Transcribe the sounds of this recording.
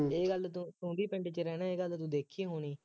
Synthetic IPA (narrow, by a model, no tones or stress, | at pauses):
eːɡəlt̪ũsũːɖ̪iːpɛ̃ɳɖt͡ʃəɾɛːnãːeːɡəlt̪ũːd̪eːkʰːiːɦoːniː